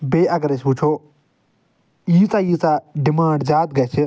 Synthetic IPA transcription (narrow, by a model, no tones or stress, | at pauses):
beːʔɐɡɐɾet͡ʃʰpuːt͡ʃʰoː | jiːt͡saːjiːt͡saɖɪmãːɳɖzaːt̪̚ɡɐt͡ʃʰi